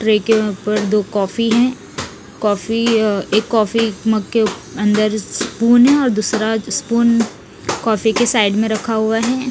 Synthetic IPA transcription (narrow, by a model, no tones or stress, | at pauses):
ʈɾeːkepəɾd̪oːkɔːfiɦɛ̃ | kɔːfieːkːɔːfiməɡkeɐ̃nd̪əɾspuːnɦɛ̃ɔːɾd̪uːsɾaspuːn | kɔːfikesaːɪɖmẽɾɐkʰaɦʊaɦɛː